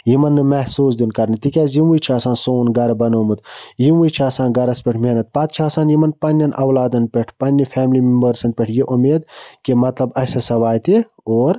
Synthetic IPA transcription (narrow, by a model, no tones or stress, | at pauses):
jimɐnːɨmɐhsuːsd̪inkɐɾnit̪ikʲaːzjiwujt͡ʃʰaːsãːnsoːnɡɐɾɐbɐnoːmɨt̪jiwujt͡ʃʰaːsãːnɡɐɾɐspʲeʈʰmenɐt̪̚pɐt̪̚t͡ʃʰaːsaːnjimɐnpɐnʲːɐnʔɐwlaːd̪ɐnpʲeʈʰpɐnʲːifʰɛːmlimimbəɾsɐnpʲeʈʰjiʔumeːd̪kimɐt̪lɐbɐsɐsɐʋaːjt̪i | oːɾ